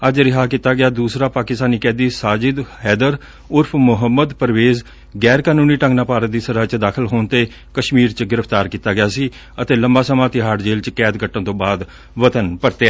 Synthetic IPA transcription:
əd͡ʒɾɪɦaːkiːt̪ːaːɡɪjaːd̪uːsɾaːpaːkɪst̪aːniːkɛ̃ːd̪iːsaːd͡ʒɪd̪hɛːd̪əɾ | ʊɾpʰmʊɦəmːəd̪pəɾʋeːz | ɡɛːɾkaːnũːniːʈə̃ŋɡnaːpaːɾət̪̚d̪iːsəɾaːt͡ʃd̪aːkʰəlɦoːnt̪eː | kəʃmiːɾt͡ʃɡɪɾəpʰt̪aːɾkiːt̪ːaːɡɪjaːsiː | ət̪eːləmbaːsəmãːt̪ɪɦaːʈd͡ʒeːlt͡ʃkɛːd̪ɡəʈːə̃nt̪õːbaːd̪ | ʋət̪ənpəɾt̪eaː

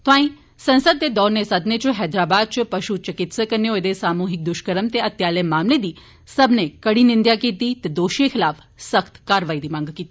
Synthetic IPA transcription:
t̪ʋãːĩ | sɐnsəd̪̚t̪ed̪ɔːɾnesəd̪net͡ʃuɦɛːd̪ɾaːbaːd̪̚t͡ʃupɐʃut͡ʃəkit̪səkəɾnjoed̪esaːmuɦik̚d̪ʊʃkəɾəmt̪eət̪jaːlemaːmled̪i | sɐbnekəɽinind̪jakit̪it̪ed̪oːʃekʰɪlaːf | səkt̪kaːɾʋaːjd̪imãŋɡkit̪i

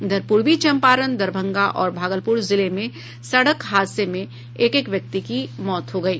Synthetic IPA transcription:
d̪ɐɾpuːɾʋit͡ʃɐ̃mpaːɾənd̪ɐɾbʱə̃ŋɡaʔɔːɾbʱaːɡəlpuɾzɪlemẽ | sɐɽəkɦaːd̪semẽ | eːkekʋjɐk̚t̪ikimɔːt̪ɦoɡɐiː

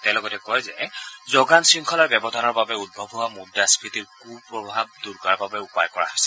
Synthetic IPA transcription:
tɛ̃lɔɡɔtɛkɔjzɛzɔɡansɹiŋkʰɔlɔɹbjɛbɔdʱanɔɹbabɛud̚bʱɔbɦowamudiaspʰitiɹkʰubpɹɔbʱab̚duɹɡaɹbabɛupajkɔɹa̰ɦojsɛ̥

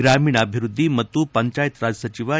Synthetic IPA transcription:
ɾamiːɳəbʱiɾud̪ʱːimət̪upəɲt͡ʃaːjt̪ɾad͡zsət͡ɕiʋa

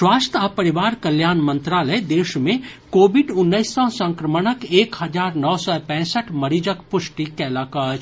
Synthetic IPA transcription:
ʃwaːst̪ʰapɐɾɪʋaːɾkɐljaːnmə̃nt̪ɾaːləd̪eːʃmẽkoːbɪɖʊnːəɪsːɔsə̃ŋkɾəməɽəkeːkhɐd͡ʒaːɾnɔːsɔpɛ̃ːsəʈʰmɐɾid͡ʒəkpʊʃʈikɛːlaːkaːd͡ʒ

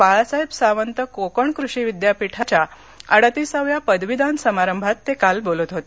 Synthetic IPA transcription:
paɭsaɦebsaʋənt̪əkokəɳkɾuɕiʋid̪japiʈʰat͡ɕja | əɽat̪isaʋjapəd̪ʋid̪ansəmaɾəmbʱat̪ːekalbolət̪ɦot̪e

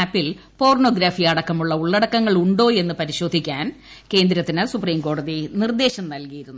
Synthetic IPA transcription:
aːpːil | po̞ːrɳo̞ːɡɾaːfijɐɽɐkːɐmuɭːɐuɭːɐɽɐkːɐŋːɐɭuɳɖo̞ːe̞nːɨpɐɾiɕo̞ːd̪ʱikʲːaːn | ke̞ːnd̪ɾɐt̪ːinɨsupriːmko̞ːɽɐðinird̪e̞ːɕɐmnɐlkijiɾunːu

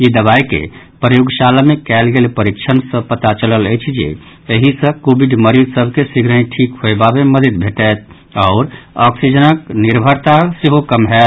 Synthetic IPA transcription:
id̪əβaikḛ | pɾəjuɡsalamekɛɪlɡelpəɾikt͡ʃʰənsə̃pət̪at͡ʃələləjt͡ʃʰd͡ʒḛ | eɦisə̃kobiɖməɾid͡ʒsəbʱkesiɡʱɾəĩʈʰikɦoebabeməd̪əd̪̚bʱeʈɛt̪̚ʰ | aʊɾɔksid͡ʒənəkniɾbʱəɾt̪asiɦokəmɦɛt̪

